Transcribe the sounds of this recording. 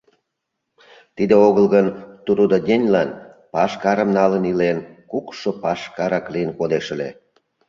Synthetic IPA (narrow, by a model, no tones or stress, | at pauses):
t̪id̪eoɣəlɣənt̪uɾud̪odʲenʲlɑn | pɑʃkɑɾə̆mnɑlənilenkukʃopɑʃkɑɾɑklijənkod̪eʃə̆lḛ